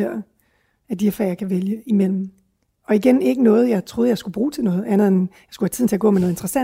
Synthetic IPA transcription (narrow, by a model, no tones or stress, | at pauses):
eɐ̰ | æd̥ihæɐfæ̰jɑkʰæʋeljəimel̰m̩ | ɒ̽iɡ̥ene̝ɡ̥ənɔ̽ːð̞̩ˠjɑ̈ɪt͡sʰʁo̝ːð̩ˠjɑ̈ɪsɡ̥ub̥ʁuːt͡sʰe̝lnɔ̽ːð̩ˠænənjɑ̈ɪsɡ̥uhæt͡sʰið̰ˠn̩t͡se̝æɐɡ̥ɔ̰̽menɔð̩ˠend̥ʁɐsæ